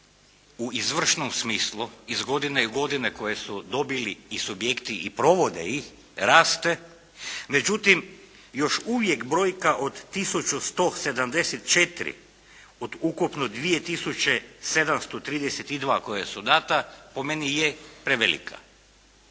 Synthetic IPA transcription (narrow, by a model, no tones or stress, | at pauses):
uizʋr̩ʃnomsmiːslˠuizɡo̞d̪ineiɡo̞d̪ineko̞jesud̪o̞biliːsubjekt̪iʔipɾo̞ʋo̞d̪ḛix | ɾaːst̪e̞ | me̞d͡ʒut̪im | jo̞ʃuʋjekbɾo̞ːjkaʔod̪ːisut͡ʃust̪ose̞d̪amd̪eset̪t͡ʃet̪ɾḭ | od̪ukupnod̪ʋije̞t̪isut͡ɕese̞d̪amst̪ot̪ɾiːd̪eset̪id̪ʋaːko̞jesud̪aːt̪apo̞me̞nijepɾeʋelḭkʰa̰